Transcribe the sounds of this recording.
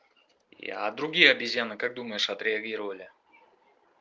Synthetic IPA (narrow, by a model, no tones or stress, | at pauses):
a̰d̪ɾʊɡʲijəɐbʲɪzʲjanːɨkak̚d̪uməjɪʂɐt̪ɾʲɪɐɡʲiɾəvəlʲɪ